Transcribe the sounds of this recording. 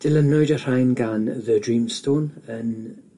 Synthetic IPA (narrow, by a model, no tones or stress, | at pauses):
d̥ɪlənʊɨdər̥ajnɡanðədɹiːmstʰoːnən